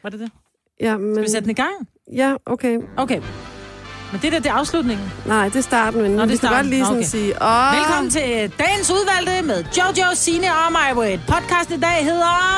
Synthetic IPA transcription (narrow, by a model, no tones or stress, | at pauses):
ʋæded̥e | jæmeʋisedden̩iɡ̥ɑ̈ŋ̰ | jæʔoʊkʰeɪoʊkʰe | mend̥edeɐd̥eɑ̈ʊslud̥ne̝ŋn̩nɑ̈ɪ̰d̥esd̥ɑ̰̈ːdɐnuenːdesɡ̥ɡ̥ɒ̽d̥liːɔ̽nsiːɔʋelkʰɒ̽mn̩t͡sʰe̝d̥ɛ̰ːn̩suð̞ˠʋæl̰d̥əmeð̞ˠd̥jɒːdjosiːnəɒ̽mɑ̈ɪwed̥̚pʰɒ̽d̥̚kʰɑ̈ːsd̥n̩id̥ɛ̰ːɦe̝ð̞̰ˠɐ